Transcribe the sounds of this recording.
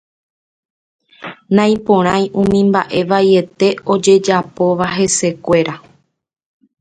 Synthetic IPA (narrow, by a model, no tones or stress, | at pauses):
nãj̃põɾ̃ãj̃ʔũmĩmbaʔe̞ʋaje̞t̪e̞o̞d͡ʒe̞d͡ʒapo̞ʋaɦe̞se̞kʷe̞ɾa